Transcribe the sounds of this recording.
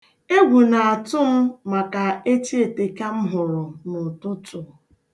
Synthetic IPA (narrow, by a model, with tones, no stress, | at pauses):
e˦ɡʷu˨na˨a˨tʊ˦m̩˦ma˨ka˨e˦t͡ʃi˦e˨te˨ka˦m̩˦ɦʊ˨ɾʊ˨nʊ˨tʊ˦tʊ˨